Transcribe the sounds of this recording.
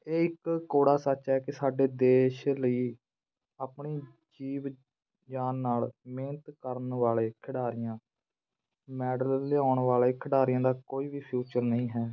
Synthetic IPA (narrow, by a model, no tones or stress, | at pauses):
eːɪkkoːɽaːsət͡ʃɦɛːkɪsaːɖeːd̪eːʃləiː | aːpɳiː | d͡ʒiːʋ | d͡ʒaːnːaːlmẽːnt̪kəɾənʋaːleːkʰɪɽaːɾɪjãː | mɛːɖəlːɪaːʊɳʋaːleːkʰɪɽaːɾɪjãːd̪aːkoːiːʋiːpʰjuːt͡ʃəɾnəĩːɦɛː